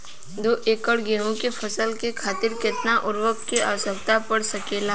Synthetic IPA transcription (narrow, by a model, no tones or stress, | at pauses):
d̪oːʔeːkəɽɡeːɦõkefʰɐsəlkekʰaːt̪ɪɾkɪt̪naʔʊɾʋək̪kea̰ːʋəsək̚t̪apəɽsɐkeːlaː